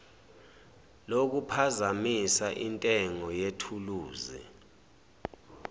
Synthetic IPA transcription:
lok̬upʰazamisaʔintʼɛŋɔjetʰuluːzḭ

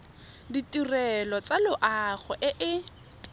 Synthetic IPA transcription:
ditʼirɛlɔt͡salʊʔaχɛʔɪʔɪ

